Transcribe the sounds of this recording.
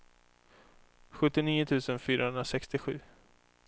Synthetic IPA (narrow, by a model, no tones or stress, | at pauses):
ɧɵt̪ːɪniːʊt̪ʰʉ̟ːsənfyːɾaɦɵnɾasɛkst̪ɪɧʉ̟ː